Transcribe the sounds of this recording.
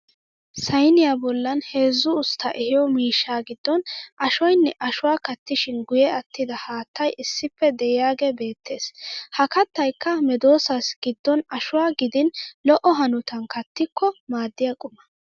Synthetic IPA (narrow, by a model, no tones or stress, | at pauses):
sɐjnɪjabɔlːɐnhe̞ːzːʊʊst̪ʰːɐʔɪhɪjɔmiːʃːaːɡɪd̪ːɔnʔɐʃɔjnːɛʔɐʃʊwaːkɐt̪ːɪʃɪnɡʊjɛɐt̪ːɪd̪ɐhaːt̪ːɐjʔɪsːɪpːɛd̪ɛjɪjaːɡebe̞ːt̪ʰːe̞ːshɐkɐt̪ːɐjkːɐmɛd̪o̞ːsɐsɡ̥ɪd̪ːɔnɐʃʊwaːɡɪd̪ɪnlɔʔɔɦɐnʊt̪ɐnkɐt̪ːɪkːɔmaːd̪ːɪjakʼʊmːɐ